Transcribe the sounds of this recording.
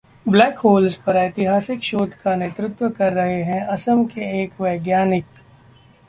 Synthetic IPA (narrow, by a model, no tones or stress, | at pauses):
blɛːkɦoːlzpɐɾɐjt̪ɪɦaːsɪkʃoːd̪ʱkaneːt̪ɾʊt̪wəkɐɾːɐɦeɦɛ̃ɐsəmkeeːkʋɐːɡjaːnɪk